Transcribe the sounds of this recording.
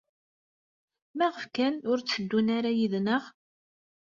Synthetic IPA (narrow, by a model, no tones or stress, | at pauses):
mæʁəfkænʊɾt͡sːəd̪ːunaɾajiðnəʁ